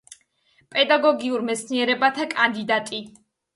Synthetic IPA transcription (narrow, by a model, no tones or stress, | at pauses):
pʼɛd̪aɡɔɡiuɾmɛt̪sʰniɛɾɛbat̪ʰakʼand̪id̪at̪ʼi